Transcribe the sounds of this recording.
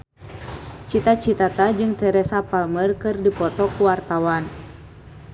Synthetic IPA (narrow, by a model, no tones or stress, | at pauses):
t͡ʃit̪at͡ʃit̪at̪ad͡ʒɨŋt̪ɛɾɛsapalmərkɨrdipɔt̪ɔkuwart̪awan